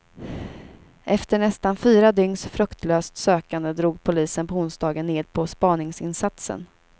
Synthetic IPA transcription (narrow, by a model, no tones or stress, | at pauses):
ʔɛft̪əɳɛst̪anfyːɾad̪ʏŋsfɾɵkt̪ʰløːst̪søːkand̪əd̪ɾuːɡpʰʊliːsənpʰɔʊnsd̪ɑːɡənːeːd̪̚pʰɔspɑːnɪŋsɪnsat̪sə̰n